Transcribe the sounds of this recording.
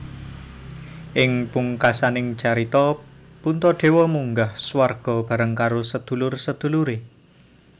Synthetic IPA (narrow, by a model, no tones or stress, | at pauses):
ʔɪŋpuŋkasanɪŋt͡ʃaɾit̪ɔpunt̪ɔɖ̪̥e̤wɔmuŋɡahswarɡ̥ɔ̤b̥a̤ɾəŋkaɾosəd̪̥ṳlʊrsəd̪̥ṳluɾe